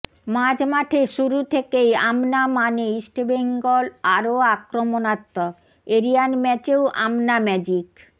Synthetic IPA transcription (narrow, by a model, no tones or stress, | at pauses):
mad͡ʑmaʈʰeʃuɾut̪ʰekejamnamaneisʈebeŋɡolaɾoakɾomonat̪ːo | eɾijanmɛt͡ɕewʔa̰mnamɛd͡ʑik